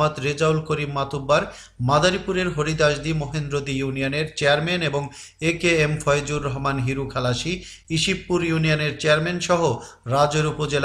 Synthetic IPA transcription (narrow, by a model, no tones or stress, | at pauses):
at̪ɾed͡ʑaulkoɾimːat̪ʰubːaɾ | mad̪aɾipuɾeɾɦoɾid̪aʃd̪imoɦend̪ɾod̪ijunijoneɾt͡ɕeaɾmeneboŋekeemfʰɔed͡ʑuɾːɔɦmanɦiɾukʰalaʃi | iʃipːuɾjunijoneɾt͡ɕeaɾmenʃɔɦoɾad͡ʑeɾupod͡ʑel